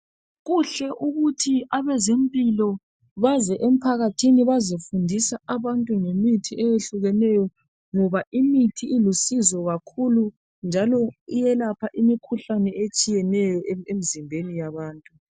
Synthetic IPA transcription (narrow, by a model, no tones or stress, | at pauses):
ɣuɬɛʔuɣutʰiaβɛzempʼilɔ | βazɛʔem̩pʰaɣatʰiniβazifundʱisaaβantʼuŋemitʰiʔɛjeɬuɣɛnɛjɔ | ŋɔβaʔimitʰiːlusizɔɣakʰulu | nd͡ʒʱalɔijɛlapʰaʔimikʰuɬanɛet͡ʃʼijɛnɛjɔemizimbʱenijaβaːntʼu